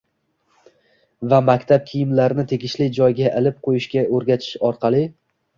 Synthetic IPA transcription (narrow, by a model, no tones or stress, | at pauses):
vamakʲt̪ʰap̚kʲʰijɪmlaɾɪnɪt̪ʰe̞ɡʲɪʃlɪd͡ʒɒjɡʲaʔɪlɪp̚qʰojɪʃkʲaɵɾɡʲat͡ʃ̪ʰɪ̥ʃɒɾqʰɑlˠɪ